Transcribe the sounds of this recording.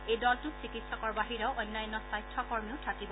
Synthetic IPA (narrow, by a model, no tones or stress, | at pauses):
ejdɔltʊsikitsɔkɔɹbaɦiɹɔʊʔɔjnːajɔnːɔsajtʰːɔkɔɹmiʊtʰakibɔ